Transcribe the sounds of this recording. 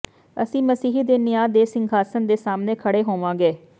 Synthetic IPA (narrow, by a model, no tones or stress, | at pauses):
əsĩːməsiːɦid̪eːnɪjaːd̪eːsɪŋɡʱaːsənd̪eːsaːmnẽːkʰəɽeːɦoːʋãːɡeː